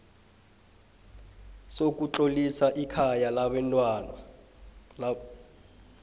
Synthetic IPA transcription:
sok̬ʼut͡ɬʼolisaʔikʰajalaɓɛntʼwan

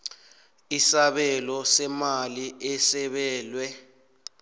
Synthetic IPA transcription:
isaɓɛlɔsɛmaliɛsɛɓɛːlwɛ

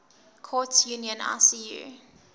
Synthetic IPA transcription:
kʰɔtjuniə̃na̰sijṵ

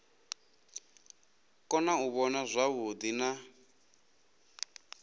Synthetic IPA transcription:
kʼɔnauβɔnazʷaβud̪ina

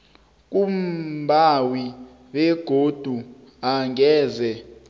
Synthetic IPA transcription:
k̬umbʱawi | ɓɛɡ̥ʱod̥ʱu | aŋɛːzɛ

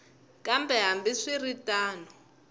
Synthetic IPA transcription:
kʼambɛɦambiʂiritʼaːnɔ

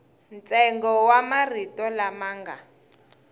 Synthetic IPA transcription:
nt͡sɛŋɡɔwamaritɔlamaːŋɡa̰

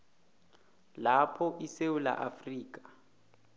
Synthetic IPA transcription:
lapʰɔʔisewula̰ʔafriːk̬ʼḁ

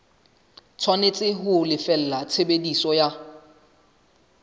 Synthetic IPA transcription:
t͡sʰwanet͡sʼɪɦʊlɪfɛl̩lat͡sʰebedisɔja

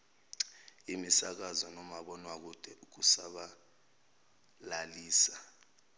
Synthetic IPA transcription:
imisak̬azɔnɔmaɓɔnwak̬ud̥ʱɛʔuk̬usaɓa | laliːsa

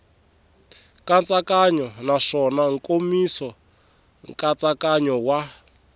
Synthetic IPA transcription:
kant͡sʼakaɲɔnaʂɔnaŋ̩komisɔ | ŋkʼat͡sakaɲɔwa

